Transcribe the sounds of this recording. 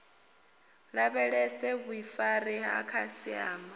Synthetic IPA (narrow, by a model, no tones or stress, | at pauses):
ɺaβɛɺɛsɛβuifaɾiɦa̰kʰasia̰ːma